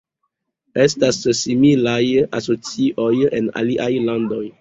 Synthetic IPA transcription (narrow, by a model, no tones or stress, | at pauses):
estasːimilaja̰so̞t͡siʔo̞je̞na̰liʔajlando̞j